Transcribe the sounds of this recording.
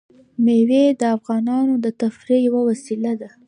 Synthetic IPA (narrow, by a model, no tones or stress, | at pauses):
mewed̪əafɣɑnɑnod̪ət̪afɾejawawasilad̪a